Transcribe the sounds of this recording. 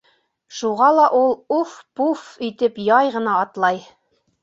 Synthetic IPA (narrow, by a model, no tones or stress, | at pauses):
ʃuʁɑlˠɑʔulˠufpufit̪ɘpjɑjʁɤ̆nɑːt̪lˠɑj